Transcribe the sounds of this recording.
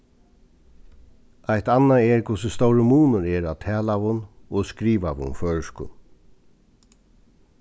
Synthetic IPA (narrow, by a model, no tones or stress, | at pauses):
ajt̪anːaɛɹkʰʊsʊst̪ɔwɾəmuːnʊɾɛɹat̪ʰɛːlaʋʊnɔɣskɾiːʋaʋʊ̰nfœːɻəʂkʊ̰n